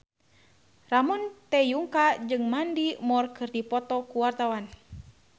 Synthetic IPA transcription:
ramɔnt̪ɛjuŋkad͡ʒɨŋmandimɔrkɨrdipɔt̪ɔkuwart̪awan

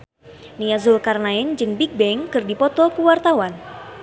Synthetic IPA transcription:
niazʊlkarnaɪnd͡ʒɨŋbik̚bɛŋkɨrdipɔt̪ɔkuwart̪awan

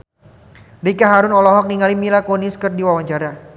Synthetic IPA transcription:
dikaɦaɾʊnɔlɔɦɔk̚niŋalimilakoniskərdiwawaɲt͡ʃaɾa

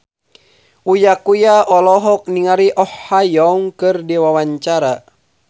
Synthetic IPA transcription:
ujakujaɔlɔɦɔk̚niŋaɾiʔɔhːajɔŋkɨrdiwawaɲt͡ʃaɾa

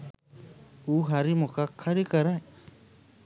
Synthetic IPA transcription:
uɦaɾimokakʰːaɾikaɾaj

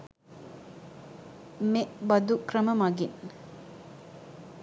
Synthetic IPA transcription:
meʔbɐd̪ukɾəmɐmɐɡin

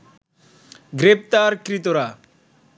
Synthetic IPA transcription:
ɡɾep̚t̪aɾkɾit̪oɾa

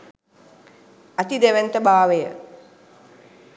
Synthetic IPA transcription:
at̪id̪eʋent̪əbaːʋəjə

